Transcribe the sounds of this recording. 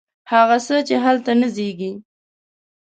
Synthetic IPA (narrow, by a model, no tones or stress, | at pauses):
haɣasət͡ʃeɦalt̪anəzeɡi